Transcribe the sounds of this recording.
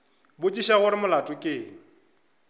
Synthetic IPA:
bʊt͡ʃʼiʃaɣʊɾɪmʊlatʼʊkʼeːŋ̩

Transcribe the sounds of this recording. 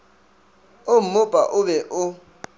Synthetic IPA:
om̩mʊb̥ʼʱa̰ʔʊβɛʔʊ

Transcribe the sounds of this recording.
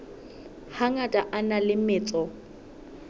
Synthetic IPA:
haŋatʼaʔanalɪmɪːt͡sʼɔ

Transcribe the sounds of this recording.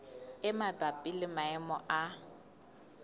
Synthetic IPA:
ɪmabapʼilɪmaɛmɔʔa

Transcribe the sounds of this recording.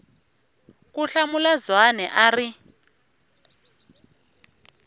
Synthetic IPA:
kuɬamulazwanɛʔari

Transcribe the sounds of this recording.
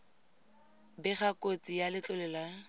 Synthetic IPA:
bɪχakot͡sʼijalɪt͡ɬʼʊlɛla

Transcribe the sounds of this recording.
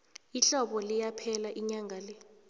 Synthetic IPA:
iɬɔɓɔlijapʰɛlaʔiɲaŋʱalɛ

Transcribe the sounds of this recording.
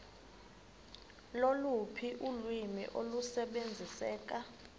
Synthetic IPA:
lolupʰiʔulwimḭʔolusɛɓend͡zʱisɛːk̬a

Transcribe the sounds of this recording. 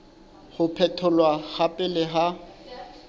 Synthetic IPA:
χʊpʰɛtʰʊlwaɣapʼɪlɪɦa

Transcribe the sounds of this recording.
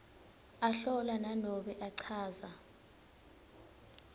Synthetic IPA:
aɬɔlananɔɓɛʔaǀʰaːza

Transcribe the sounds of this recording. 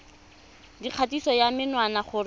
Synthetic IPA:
diq͡χʰatisɔjamɪnwanaχʊɾ

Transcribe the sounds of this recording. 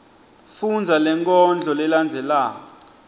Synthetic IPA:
fund͡zʱalɛŋkʼɔnd͡ɮʱɔlɛland͡zʱɛlaːkɔ

